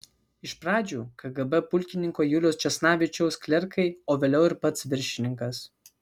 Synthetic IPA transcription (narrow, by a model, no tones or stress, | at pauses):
ɪʃpɾɑːd͡ʒʲuːkɐɡɐbɛpʊlʲkʲɪnʲɪŋkoːjulʲoːst͡ʃʲɛsnɑːʋʲɪt͡ʃʲɛʊskʲlʲɛɾkʰɐɪoːʋʲeːlʲɛʊɪɾpɐt̪sʋʲɪɾʲʃʲɪnʲɪŋkɐs